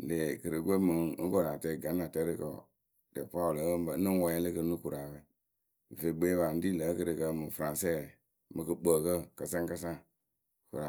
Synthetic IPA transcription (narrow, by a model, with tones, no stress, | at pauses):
le˨kə˨ɾə˨ɡʷe˦mə˨˦ko˦ɾa˨te˦˨ɡa˨˦na˨te˦ɾi˦ko̰˨ | de˨pa˦˨lbnə˦wa˨˦je˦le˦kə˦nu˦ku˨ɾa˨be˦˨ | ve˨ɡ͡be˦βa˨n̩˦di˦lə˨˦kə˦ɾə˨kə˦mu˨fɾã˨se˦˨ | mə˨kə˨ɓə˨kə˦ka˨sã˦ŋ˦ka˦sã˦˨ | kṵ˨ɾa˨